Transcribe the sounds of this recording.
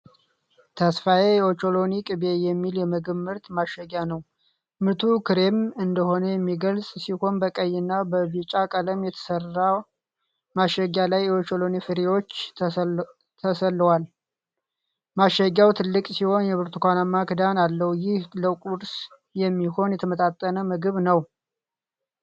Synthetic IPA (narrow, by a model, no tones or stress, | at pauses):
t̪ʰəsfajejɛot͡ʃo̞lo̞nikʼɨbe̞jɛmːiljɛməɡɨmːɨɾt̪maʃɛɡjanəw | mɨɾt̪ʰukʰɨɾemɨnd̪əho̞nəjɛmːiɡəlsʼsiho̞nbəkʼəjːɪnːabəβit͡ʃʼakʼələmjɛt̪ʰə̥sərːa | maʃəɡalajot͡ʃolonifɨɾewo̞t͡ʃː | t̪ʰəsəlːwal | maʃəɡawt̪ʰɨlːɨkʼsiho̞njɛβɨɾt̪ʰukʰʷanamːakɨd̪analːəhujɪhləkʼuɾs | jɛmːiho̞njɛt̪ʰəmət̪ʼat̪ʼːənəmɨɡɨβnəw